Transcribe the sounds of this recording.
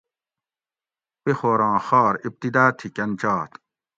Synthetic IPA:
pexoːɾɑ̃ːxɑːɾip̚t̪id̪aːt̪ʰikɐnt͡ɕaːt̪

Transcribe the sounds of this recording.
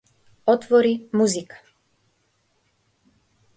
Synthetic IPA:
ɔt̪ʋɔɾimuzikḁ

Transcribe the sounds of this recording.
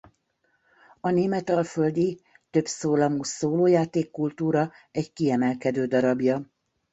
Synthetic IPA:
ɒneːmɛt̪ɒlføld̪i | t̪ø̞psoːlɒmusoːloːjaːt̪eːkːult̪uːɾɒɛckiɛmɛlkɛd̪øːd̪ɒɾɒbjɒ

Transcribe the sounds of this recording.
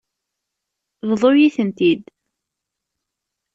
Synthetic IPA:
ððˤojiθənt̪id̪

